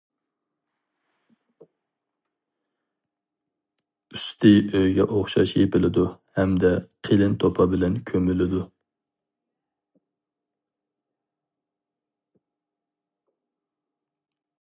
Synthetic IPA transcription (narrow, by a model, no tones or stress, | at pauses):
yst̪ʰɪøjɡʲɛʔoχʃɑ̰ʃjepɪlɪd̪uhɛmd̪ɛqʰelɪnt̪ʰopʰɑbɪlɛnkʲʰømylɪd̪u